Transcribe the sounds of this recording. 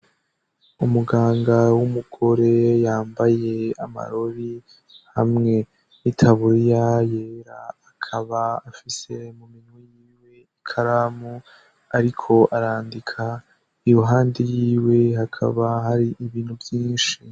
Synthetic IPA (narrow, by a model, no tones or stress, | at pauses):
umuɡaːŋɡawumuɡ̥o̞ɾe̞jaːmbaje̞a̰ma̰ɾo̞ɾi | ha̰mŋe̞ | nitʰaβuɾijajeɾaː | kʰaβaːfise̞muminwijiːwe̞ikʰaɾamu | aɾikʰo̞ʔaɾaːndikʰa | ijoɦaːndejiːwe̞ɦakʰa̰βaɦaɾiʔiβiːnhuvjiːnʃi